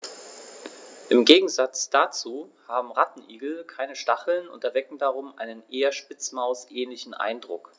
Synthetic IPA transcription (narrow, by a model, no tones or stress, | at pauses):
ʔɪmɡeːɡŋ̩zat͡sd̥at͡suːhaːbm̩ʁatn̩ʔiːɡl̩kʰaɪnəʃtaχl̩nʊ̰ntɛɐvɛkŋ̩daʁ̞ʊmʔa̰ɪnənʔeːɐʃpɪt͡smaʊsʔɛːnlɪçn̩ʔa̰ɪndʁʊk